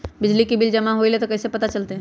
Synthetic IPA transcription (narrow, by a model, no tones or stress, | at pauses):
bɪd͡ʒlikibɪld͡ʒɐmãɦoilet̪okɐsepɐt̪at͡ʃɐlt̪eɦɛ̃